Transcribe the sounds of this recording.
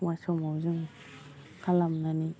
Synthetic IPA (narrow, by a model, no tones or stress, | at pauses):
ŋajsɔmawzɯŋ | kʰalamnani